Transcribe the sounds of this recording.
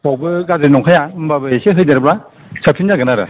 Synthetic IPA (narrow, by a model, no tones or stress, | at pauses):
bɔwbɯɡazɯɾinɔŋkʰajambabɯeseɦɯjdaɾbɾa | sʰapʰinːaɡɯnaɾɯ̰